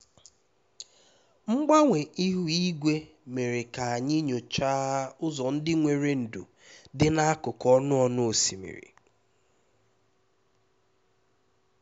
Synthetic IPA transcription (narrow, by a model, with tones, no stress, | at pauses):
ŋ͡m̩˦ɡ͡ba˦ŋʷe˨ʔi˦ɦu˨i˦ɡʷe˦ | me˨ɾe˨ka˨a˨ɲɪ˦ɲo˨t͡ʃa˦a˦ʊ˦zɔ˨n̩˦dɪ˦ŋʷe˨ɾe˦n̩˨dṵ˨ | dɪ˦na˦a˦kʊ˨kɔ˦nʊ˦ɔ˦nʊ˦o˨si˨mḭ˨ɾḭ˨